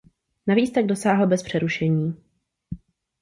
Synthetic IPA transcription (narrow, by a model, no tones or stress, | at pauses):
naviːt͡st̪aɡdo̞saːɦl̩bɛspr̥ɛɾuʃɛɲiː